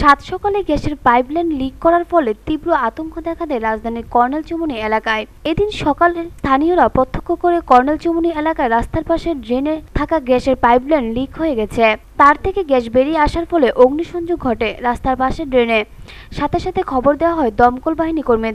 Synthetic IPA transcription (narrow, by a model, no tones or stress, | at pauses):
ʃat̪ʃɔkaleɡɛʃeɾpajblenlikːɔɾaɾfɔlet̪ibɾoat̪oŋkʰod̪ɛkʰad̪eɾad͡ʑd̪ʱaniɾkɔɾnelt͡ɕomunielakae | ed̪inʃɔkalest̪ʰanioɾapɔt̪ʰːo̥kʰːokoɾekɔɾnelt͡ɕomunielakaeɾast̪ʰaɾpaʃeɾɖɾenet̪ʰakaɡɛʃeɾpajblenlikʰɦoeɡɛt͡ɕʰet̪aɾt̪ʰekeɡɛʃbeɾiaʃaɾfɔleʔoɡniʃɔnd͡ʑoɡʱɔʈeɾast̪ʰaɾpaʃeɾɖɾene | ʃat̪ʰeʃat̪ʰekʰɔboɾd̪eoaɦɔed̪ɔmkolbaɦinikoɾme